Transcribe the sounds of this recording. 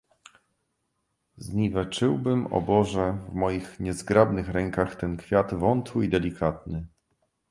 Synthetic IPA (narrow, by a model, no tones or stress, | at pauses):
zɲivɛt͡ʂɘwbɘmɔ̰bɔʐɛvmɔjixɲɛzɡɾabnɘxɾɛŋkaxt̪ɛnkfʲjat̪vɔnt̪wɘid̪ɛlʲikʰat̪̚nɘ